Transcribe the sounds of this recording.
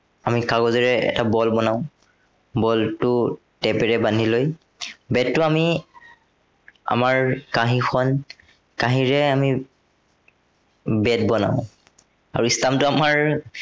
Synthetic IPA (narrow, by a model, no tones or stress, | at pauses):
amikaɡɔziɹɛɛ̰tabɔlbɔnaʊ̃ | bɔltʊ | tɛpɛɹɛbaniloj | bɛtːʊami | a̰maɹkaɦixʰɔn | kaɦiɹɛami | bɛt̚bɔna̰ʊ̃ | a̰ɹuistamtʊamaɹ